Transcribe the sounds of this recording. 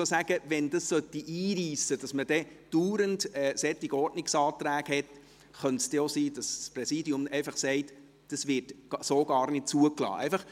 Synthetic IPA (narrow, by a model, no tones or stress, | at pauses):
osæɡ̥əʋɛndɑssœtːiʔiːɾiːsəd̥ɑsməd̥ɛ | d̥uːɾəndɛːsɛt̪ːiɡ̥ɔɾdnɪksɑːt̪ɾæːɡ̥hɛt | χœntsd̥ɛosiːd̥ɑssprɛsiːdiʊmɛɪfɑχsɛɪt | d̥ɑsʋɪtsoːɡ̥ɑːrnɪt̚t͡suəklɑ̰ːʔɛ̰ɪfɑχ